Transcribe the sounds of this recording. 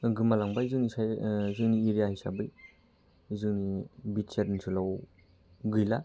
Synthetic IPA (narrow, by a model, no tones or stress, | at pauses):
ɡɯmalaŋbajzɯŋnisajzɯŋniiɾijahijsa̰bɯj | zɯŋnibitsetnisʰɯlaw | ɡɯjla